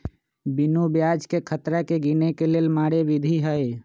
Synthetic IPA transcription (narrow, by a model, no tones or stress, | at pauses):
bɪnobjaːd͡ʒkekʰət̪ɾakeɡinekeleːlmaːɽeʋɪd̪ʱiɦəj